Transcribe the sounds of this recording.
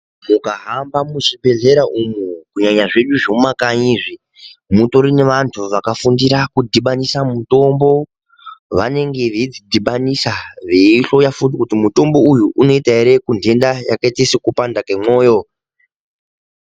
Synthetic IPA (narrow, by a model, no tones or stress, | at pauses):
mukaɦambamuʐibʱe̞ɮe̞ɾaʔumukuɲaɲaʐe̞ɗuʐoumakaɲiʐi | muto̞ɾine̞ʋantʰuʋakafundiɾakudʱiɓanisamuto̞mbo̞ | ʋane̞ŋɡe̞ʋeid͡zidʱiɓanisaʋeiɬo̞jafutikutimuto̞mbo̞ujuʔuno̞itaeɾe̞kunde̞ndaja̰kaitesikupandakemo̞ːjo̞